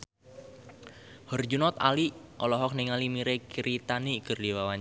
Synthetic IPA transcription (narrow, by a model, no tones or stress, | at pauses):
hɔrd͡ʒunɔt̪a̰liʔɔlɔɦɔk̚nɪŋalimiɾekiɾit̪anikərdiwawaɲa